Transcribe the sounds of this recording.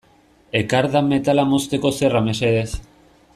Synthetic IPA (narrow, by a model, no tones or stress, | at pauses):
ekaɾðame̞t̪alamo̞st̪e̞ko̞seramesees